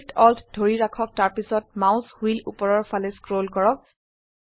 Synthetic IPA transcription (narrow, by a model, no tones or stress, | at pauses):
tʰɔltʰdʱoɹiɹakʰɔk̚taɹpisɔt̚maʊ̃shuilʔṵpɔɹɔɹpʰalɛskɹolkɔɹɔk̚